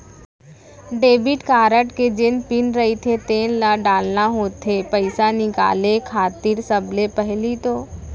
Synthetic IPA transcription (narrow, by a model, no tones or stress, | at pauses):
ɖeːbiʈkaːɾəʈked͡ʒenpɪnɾɐɦit̪ʰet̪eːnlaɖaːlnaɦoːt̪ʰːepəɪsanɪka̰ːlekʰaːt̪iɾsəblepəɦlit̪oː